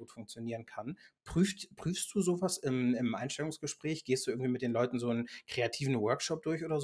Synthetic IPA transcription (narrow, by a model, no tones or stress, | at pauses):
uːtfʊŋkt͡sjoniːʁənkʰanpʁ̥yːftpʁ̥yːfst̚d̥uːzoːvasɪmɪmʔa̰ɪnʃtɛlʊŋsɡ̥əʃpʁ̥ɛːçɡ̥eːstd̥uːʔɪɐɡŋ̩v̥imɪtd̥eːnlɔʏtn̩zoːnkʁ̥eatʰiːvn̩wœɐkʃɔp̚d̥ʊɐçʔoːdɐz